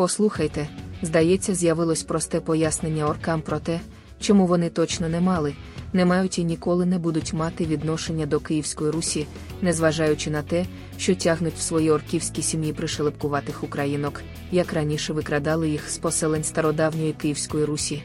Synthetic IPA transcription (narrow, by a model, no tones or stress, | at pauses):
pɔslˠuxɐjt̪ɛzd̪ɐjɛt͡sʲːɐzʲjɐʋɪlˠɔsʲpɾɔst̪ɛpɔjasne̞nʲːɐɔrkɑmpɾɔt̪ɛ | t͡ʃɔmuʋɔnɪt̪ɔt͡ʃnɔnɛmɑlˠɪ | nɛmɑjʊtʲinʲikɔlˠɪnɛbud̪ʊtʲmɑt̪ɪʋʲid̪nɔʃenʲːɐd̪ɔkɪjiwsʲkɔjiɾusʲi | nɛzʋɐʒɑjʊt͡ʃɪnɐt̪ɛ | ʃt͡ʃɔtʲaɦnʊtʲw̥sʋɔjiɔrkʲiwsʲkʲisʲimjipɾɪʃelˠepkʊʋɑt̪ɪxʊkɾɐjinɔk | jɐkrɐnʲiʃɛʋɪkɾɐd̪ɑlˠɪjixspɔsɛlˠenʲst̪ɐɾɔd̪ɑwnʲɔjikɪjiwsʲkɔjiɾusʲi